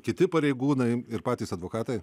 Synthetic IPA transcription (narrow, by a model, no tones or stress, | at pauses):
kʲɪt̪ʲɪpɐɾʲɛɪɡuːnɐɪɪɾpɑːt̪ʲiːsɐd̪ʋoːkɑːt̪ɐɪ